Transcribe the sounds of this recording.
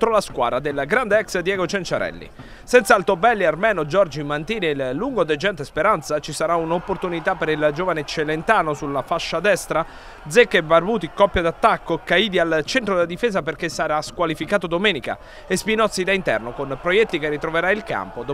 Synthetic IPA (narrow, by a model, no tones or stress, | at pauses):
t̪ɾolaskwa̰ːɾad̪elɡɾand̪eɛksd̪jɛɡot͡ʃent͡ʃaɾɛ̰lːḭ | sɛnt̪salt̪obɛlːiarmɛːnod͡ʒɔrd͡ʒimːant̪iːnelːuŋɡod̪ed͡ʒɛnt̪espeɾant̪sat͡ʃisaɾaunopːort̪unit̪apːeɾild͡ʒoːvanet͡ʃːelent̪aːnosulːafaʃːad̪ɛst̪ɾa | d̪zɛkːebarbuːt̪ikːɔpːjad̪at̪ːakːokaiːd̪ialt͡ʃɛnt̪ɾod̪elad̪ifeːzaperkesːaɾaskwalifikaːt̪od̪omɛːnika̰ | espinɔt̪sːid̪aint̪ɛ̰rnokonpɾojɛt̪ːikerːit̪ɾoveɾailka̰mpod̪o